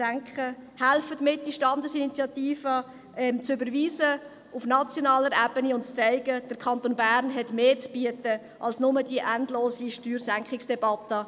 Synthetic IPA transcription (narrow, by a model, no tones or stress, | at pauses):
æŋkχəhælfətmɪt̚d̥iʃtɑndəsinit͡sjɑt̪iːfə | ɛmt͡sʏbəɾviːsə | ufnɑt͡sjonɑːləɾæːbəniʊntt͡sɛɪɡəd̥əɾkʰɑntonbæɾnɦɛtmeːt͡sb̥iətə | ʔɑlsnʊmədiəʔændloːsiʃtyːɾsæŋkχɪksd̥ɛbɑtə